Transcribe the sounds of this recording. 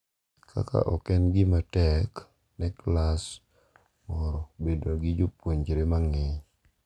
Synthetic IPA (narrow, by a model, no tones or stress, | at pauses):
kʰa̰ka̰ʔɔkɛnɡɪmatɛk | nɛklas | mɔɾɔbedoɡɪd͡ʒopwoɲd͡ʒiɾemaŋɪɲ